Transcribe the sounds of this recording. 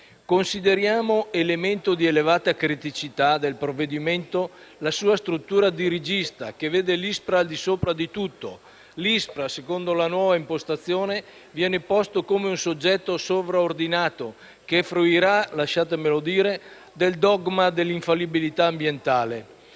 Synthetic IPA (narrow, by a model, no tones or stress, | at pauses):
konsid̪eɾjaːmoelement̪od̪ielevaːt̪akɾit̪it͡ʃit̪ad̪elpɾovːed̪iment̪o | lasuːast̪ɾut̪ːuːɾad̪iɾid͡ʒist̪a̰keveːd̪elispɾaːld̪isoːpɾad̪it̪ut̪ːo | lispɾasekond̪olanwɔːvaimpost̪at̪sːjoːne | vjɛːnepɔst̪okomeunsod͡ʒːɛt̪ːosovɾaord̪inaːt̪o | kefɾuiɾalaʃaːt̪emelod̪iːɾe | d̪eld̪ɔɡmad̪elːiɱfalːibilit̪aːmbjent̪aːle